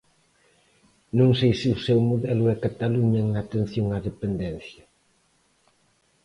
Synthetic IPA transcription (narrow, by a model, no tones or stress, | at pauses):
nõŋsejsɪʊsɛwmoðɛlʊɛkat̪aluɲɐŋat̪en̟θjoŋaðepend̪ɛnθjɐ